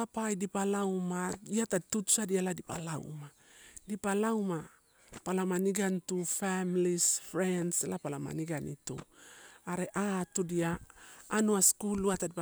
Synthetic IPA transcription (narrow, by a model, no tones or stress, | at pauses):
apajdipalawmaiatatutu̥sadialadipa̰la̰w̰ma | dipalawma | palamaniɡantufamilisfɾendselapalama̰niɡanitṵaɾeʔatudiaː | nuaskuluatadi